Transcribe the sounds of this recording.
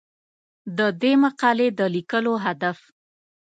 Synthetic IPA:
d̪əd̪emaqɑled̪əlikəloɦad̪af

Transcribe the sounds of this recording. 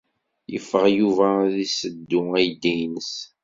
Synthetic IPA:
jə̰fːəʁjuvæðisəd̪ːʊæjd̪ijnəs

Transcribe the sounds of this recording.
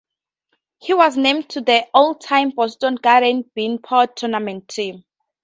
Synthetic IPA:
hiwɔznẽmtʰuðəoltʰãj̃mbɔstɔ̃nɡaɾɛ̃nbĩnpʰɔtʰːunamɛ̃ntʰːĩm

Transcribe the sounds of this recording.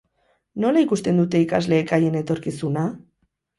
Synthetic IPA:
no̞laikust̪e̞nd̪ut̪e̞ikazle̞ːkaje̞ne̞t̪o̞ɾkisuna

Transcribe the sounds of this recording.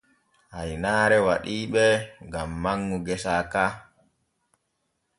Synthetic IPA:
hajnaːɾɛwaɗiːɓɛŋɡamːaŋːuɡɛsaːkaː

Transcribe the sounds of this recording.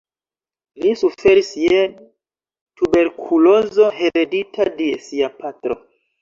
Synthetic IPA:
lisufe̞ɾisje | tube̞ɾkʰulo̞zo̞he̞ɾeditʰadesiapatɾo̞̰

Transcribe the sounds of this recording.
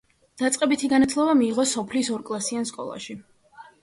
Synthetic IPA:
d̪̥at̪sʼqʼɛbit̪ʰiɡanat̪ʰlˠɔbamiːʁɔsɔpʰlisɔɾkʼlˠasianskʼɔ̰lˠa̰ʃi

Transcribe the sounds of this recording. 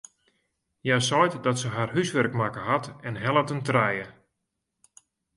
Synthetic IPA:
jasɔjtdɔtsəɦarɦysʋɛrkmakəɦatɛnɦɛlˠətəntrɛjə

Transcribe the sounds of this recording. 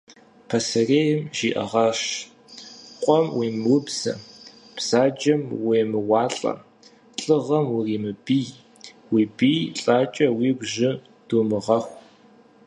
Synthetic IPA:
pʰɐsɐreːjɪmʒiːʔɐ̰ʁɐʂ | qʷʼɔmwiːmwʊbz̥ɐ̰ | psaːd͡ʒɐmweːmɨwɑːɬʼɐ̰ | ɬʼɨʁɐmwʊriːmɨbij | wiːbiːjɬʼaːt͡ʃʼɐwiːɡʷʒɪ | d̥uːmɨʁɐxʷ

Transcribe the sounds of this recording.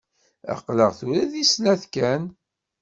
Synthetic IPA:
æ̰qːləʁθuɾæðisnæθkæn

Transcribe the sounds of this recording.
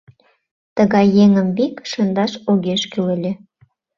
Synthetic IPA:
t̪əɣɑjːeŋəmbikʃənd̪ɑʃoɣeʃkylelʲĕ

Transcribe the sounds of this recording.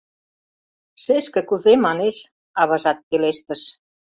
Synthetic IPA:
ʃeʃkɘ̆kuzemɑneʃ | ɑβɤ̆ʒɑt̪̚keleʃt̪ə̆ʃ

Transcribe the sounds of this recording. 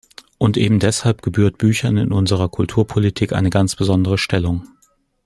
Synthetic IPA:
ʔʊntʔeːbm̩dɛshalp̚ɡ̥əbyːɐt̚b̥yːçɐnɪ̰nʔʊnzəʁɐkʰʊltʰuːɐpʰolitʰiːkʔa̰ɪnəɡant͡sb̥əzɔndəʁ̞əʃtɛlʊŋ

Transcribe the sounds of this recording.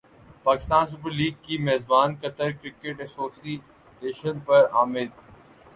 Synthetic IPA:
paːkɪ̥st̪aːns̬ʊpəɾliːɡ̚kimeːzbaːnkɐt̪əɾkɾɪkeʈɐsoːsi | eːʃənpɐɾaːmɪd̪

